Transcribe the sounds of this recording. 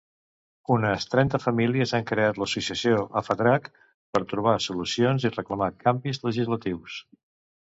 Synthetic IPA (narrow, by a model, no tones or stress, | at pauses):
unəst̪ɾɛnt̪əfəmiliəzaŋkɾeat̪ləsusiəsioʔə̰fəðɾak | pəɾt̪ɾuβ̞asulusionzirəkləmakambizləʒizlət̪iws